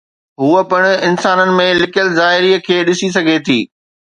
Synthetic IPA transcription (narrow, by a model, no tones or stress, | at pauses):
ɦuːəpɐɽ̃̆ɪnsaːnənɪ̆mẽlɪkjəlzaːɦɪɾiːəkʰeːɗɪsis̬ɐɡʱet̪ʰiː